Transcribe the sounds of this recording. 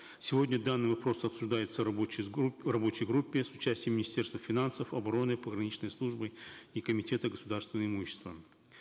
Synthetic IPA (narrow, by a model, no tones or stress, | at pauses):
sʲɪvo̞dʲnʲəd̪anːɨjvɐpɾo̞sɐpsʊʐd̪ajɪt̪sə | rɐbo̞t͡ɕɪjɡɾupʲːɪsʊt͡ɕæsʲtʲɪjəmʲːɪnʲɪsʲtʲe̞rst̪vəfʲɪnansəfɐbɐɾo̞nɨpəɡɾɐnʲit͡ɕnəjslˠuʐbɨikəmʲɪtʲe̞t̪əɡəsʊd̪arst̪vʲɪnəɪmuɕːɪ̥st̪və